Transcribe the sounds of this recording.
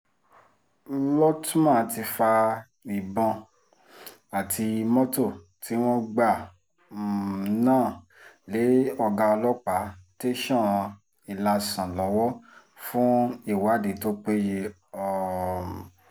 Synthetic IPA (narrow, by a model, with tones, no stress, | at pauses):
lɔ˦tũ˦mã˦˨ti˧fa˧ | i˨bɔ̃˧ | a˨tʰi˧mɔ̃˦to˦˨ | tʰi˨˦w̃ɔ̃˦ɡ͡ba˦˨ | nãː˦˨ | le˨˦ɔ˧ɡã˧ɔ˧lɔ˦k͡pa˨˦te˦ʃɔ̃˦˨˧ | i˨la˧sã˨lɔ˨˦wɔ˦ | fũ˦i˦˨wa˨˦de˨˦to˦k͡pe˦je˧ | ɔ˨